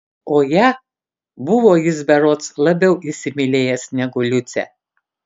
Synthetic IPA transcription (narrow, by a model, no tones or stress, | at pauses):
oːjæ | bʊʋoːjɪz̬bʲɛɾoːt̪slˠɐbʲɛʊʔisʲɪmʲɪlʲeːjɛsnʲɛɡʊlʲʊt̪sʲɛ̰